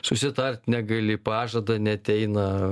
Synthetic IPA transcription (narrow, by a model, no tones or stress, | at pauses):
sʊsʲɪt̪ɐrʲt̪ʲnʲæɡɐlʲɪpɑːʒɐd̪ɐnʲɛɐt̪ʲɛɪnɐ